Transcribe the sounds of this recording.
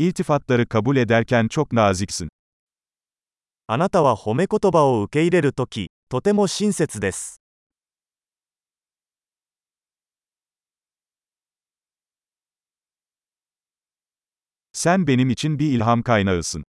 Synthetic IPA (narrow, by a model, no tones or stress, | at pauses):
ilʲt̪ifat̪lˠaɾɯkʰabulʲe̞d̪æɾcʲænt͡ʃʰo̞knaːziksin | anat̪aβaho̞me̞ko̞t̪o̞bao̞ɯkʲe̞iɾe̞ɾɯt̪o̞kʲʰit̪o̞t̪e̞mo̞ɕĩñse̞t͡sɨd̪e̞s | sænbe̞nimit͡ʃʰinbiilʲɦamkajnaɯsɯn